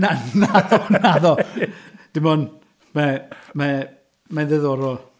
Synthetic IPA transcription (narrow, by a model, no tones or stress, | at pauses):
nanːaðɔnaðɔ | d̥ɪmɔn | mɛmɛ | maðɛðɔɾɔ